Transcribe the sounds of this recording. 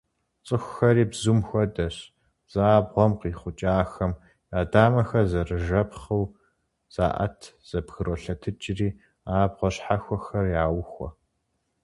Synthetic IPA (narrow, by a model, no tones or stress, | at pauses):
t͡sʼɨxʷːɐɾiːbzumxʷɔdɐɕ | z̥aːbʁʷɔmqiːχʷʊt͡ʃʼaːxɐm | aːdaːmɐxɐrzɐrɨʒɐpχɐw | z̥a̰ːʔɐ̰tʰz̥ɐbɣɨɾoɬɐtʰɨt͡ʃʼɪriː | aːbʁʷɔɕħaxʷɔxɐrjaːwxʷɔ̰